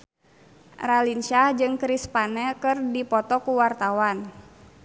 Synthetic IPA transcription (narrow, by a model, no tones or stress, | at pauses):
ralinʃahd͡ʒɨŋkɾispanɛkɨrdipɔt̪ɔkuwart̪awan